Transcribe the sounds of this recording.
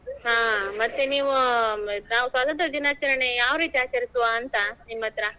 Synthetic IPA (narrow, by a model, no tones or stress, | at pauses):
ɦãːmɐt̪ːeniːʋunaːʋusʋaːt̪ɐnt̪ɾɐd̪inaːt͡ʃɐɾɐɳejaːʋɾiːt̪iaːt͡ʃɐɾisuʋaːnt̪ɐnimːɐt̪ɾɐ